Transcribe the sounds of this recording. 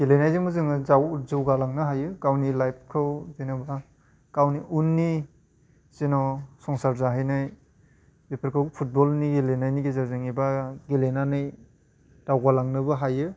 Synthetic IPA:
ɡelenajzemuzɯŋɯzawzɯwɡalaŋnɯɦajɯkawnilajp̚ʰkʰɯwzenɔba | kawniʔunːi | z̥enɔsɔŋsaɾzaɦajnaj | bepʰeɾkʰɯwpʰut̚bɔlniɡelenajniɡezaɾzɯŋibaɡelenanɯj | d̥awɡalaŋnɯbaɦajɯ

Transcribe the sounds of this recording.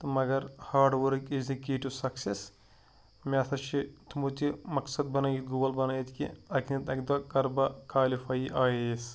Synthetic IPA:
t̪mɐɡɐɾhaːɾɖʋɐɾkʲezikeːʈiwsɐkses | mʲaːsʰɐʃit̪ʰumut̪imɐksɐd̪̚bɐnɐjit̪ɡuːɐlbɐnajit̪kḭɐknɐt̪ɐk̚d̪ʋɐːkɐɾbɐkaːlifaːjiʔaːjees

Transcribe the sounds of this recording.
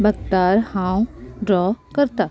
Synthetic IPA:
bɐk̚t̪aːɾhãːw̃ɖɾɔːkɐɾt̪a

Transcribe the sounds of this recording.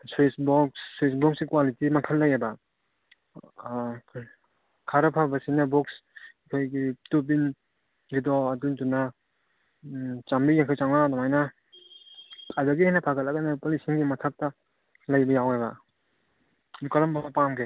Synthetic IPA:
suisbɔksːwisbɔksɡikwalitimɐkʰɐlːɐjebɐ | kʰaɾɐpʰabɐsinɐbɔks | kʰojɡitop̬in | ɡidɔːtunduna | t͡ʃambijeŋkʰajt͡ʃaŋnadɔmajnɐ | ajbɐɡihajnɐpʰaɡɐtlɐɡɐnapɐlisiŋɡimɐtʰak̚tɐ | lɐjbɐjawebɐ̰ | nukɐɾɐmbamɐpamɡʰe

